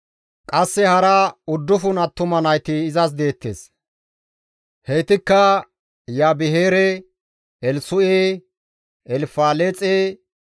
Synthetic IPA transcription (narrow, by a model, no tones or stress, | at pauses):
kʼɐsːɛhɐɾɐʊd̪ːʊfʊnɐt̪ːʊmɐnɐjt̪ɪːzɐs̬d̪e̞ːt̪ːḛːs | hɛjt̪ɪkːɐ | jaːbɪheːɾɛ | ɛlsʊʔeː | ɛlfaːlet͡sʼeː